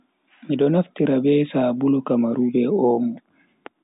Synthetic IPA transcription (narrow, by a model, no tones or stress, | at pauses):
midɔnaftiɾabɛːsaːbulɔkamaɾubɛɔːmu